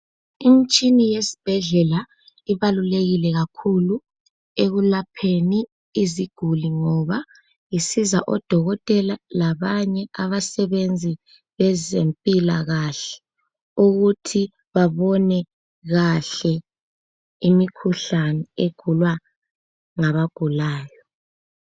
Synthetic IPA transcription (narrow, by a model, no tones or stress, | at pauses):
im̩t͡ʃʼinijesi̥b̥ʱɛɮɛla | iβaluleɣilɛɣakʰulu | eɣulapʰeniː | ziɡ̥ʱuliŋɔβa | jisizaʔɔd̥ʱɔɣɔtʼɛlalaβaɲɛʔaβasɛβend͡zʱi | βɛzempʼilaɣaɬɛ̥ | uɣutʰi | βaβɔnɛ | ɣaɬɛ | imikʰuɬanɛeɡ̥ʱulwa | ŋaβaɡ̥ʱulaːjɔ